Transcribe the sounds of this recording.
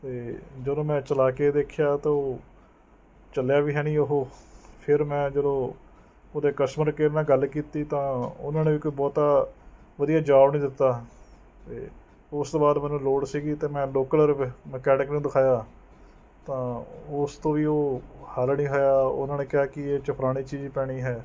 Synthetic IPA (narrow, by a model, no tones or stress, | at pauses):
t̪eːd͡ʒəd̪õːmɛ̃ːt͡ʃəlaːkeːd̪eːkʰjaːt̪eːoː | t͡ʃəljaːʋiːɦɛːɽ̃iːoɦoːpʰɪɾmɛ̃ːd͡ʒəd̪õː | oːd̪eːkəʃməɾkeːnãːɡəlkiːt̪iːt̪ãːʊ̰nãːneːʋiːkoiːbɔːt̪aː | ʋəd̪ijaːd͡ʒaːbnĩːd̪ɪt̪ːaː | t̪eː | ʊst̪oːbaːd̪mɛ̃ːnũːloːɽsiːɡiːt̪eːmɛ̃ːloːkələɾməkɛːʈɪknũːd̪ɪkʰaːjaː | t̪ãːʊst̪õːʋiːoːhalnĩːɦoːjaːʊ̰nãːneːkɪaːkɪeːt͡ʃəpʰɾaːɽ̃iːt͡ʃiːd͡ʒiːpɛːɽ̃iːɦɛː